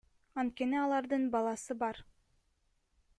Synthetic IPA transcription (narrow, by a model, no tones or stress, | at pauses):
ɑnt̪̚ke̞niɑlˠɑɾd̪ɯnbɑlˠɑsɯbɑɾ